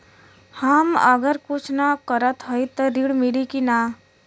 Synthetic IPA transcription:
həməɡəɾkʊt͡ʃʰnakəɾət̪ɦoit̪əɾiɽmilikina

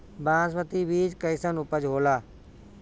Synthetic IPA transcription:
bãːsʋət̪iʋiːd͡ʒkəɪsənʊpəd͡ʒɦoːlaː

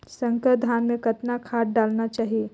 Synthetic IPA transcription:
sɐ̃ŋkəd̪ʱaːnmẽkɐt̪nakʰaːʈ̚ɖaːlnat͡ʃaːɦie

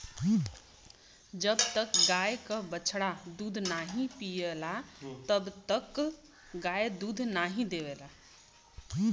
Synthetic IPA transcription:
d͡ʒəbt̪əkɡajkəbət͡ʃʰɽad̪ud̪ʱnaɦĩpielat̪əbt̪ək | ɡajed̪ud̪ʱnaɦĩd̪eʋela

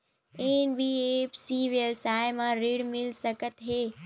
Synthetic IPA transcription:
eːnbiepsiːʋjəbsaːɪmãɾiɽmɪlsɐkət̪ɦeː

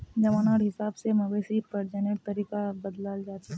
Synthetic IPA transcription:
d͡ʒɐʋaːnaːɾɦɪsaːbsemɐbeːsipɐɾd͡ʒaneɾ̚t̪ɐɾiːkabɐd̪laːld͡ʒaːt͡ʃʰe

